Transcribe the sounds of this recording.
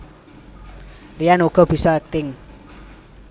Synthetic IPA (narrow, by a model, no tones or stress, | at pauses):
rijanuɡ̥ɔ̤b̥i̤sɔɛk̚t̪ɪŋ